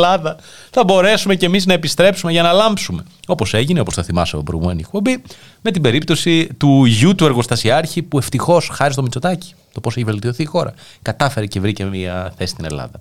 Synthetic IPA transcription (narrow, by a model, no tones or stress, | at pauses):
lɐðɐ | θɐbo̞ɾe̞sume̞ce̞miznɐepist̪ɾe̞psumeʝɐnɐlɐmpsume̞o̞po̞se̞ʝineo̞po̞sθɐθimɐseɐobɾoɣṵmeniek̚po̞bi | me̞t̪ibe̞ɾip̚t̪o̞sit̪uʝut̪ue̞ɾɣo̞st̪ɐsiɐɾçipue̞ft̪ixo̞sxɐɾis̬t̪o̞mit͡so̞t̪ɐci̥ | t̪opo̞se̞çive̞lt̪io̞θiːxo̞ɾɐ̰ | kɐt̪ɐfe̞ɾece̞vɾicemiɐθesst̪ine̞lɐ̰ðɐ